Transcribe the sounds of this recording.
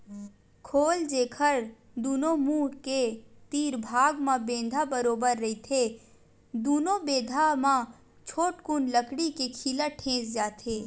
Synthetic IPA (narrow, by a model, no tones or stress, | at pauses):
kʰoːld͡ʒeːkʰəɾ | d̪uːnõmuːɽket̪iːɾbʱaːɡmãbẽːnd̪ʱabəɾoːbəɾːɐit̪ʰe | d̪uːnobeːd̪ʱamã | t͡ʃʰoːʈkuːnləkɽikekʰiːlaʈʰẽːsd͡ʒaːt̪ʰeː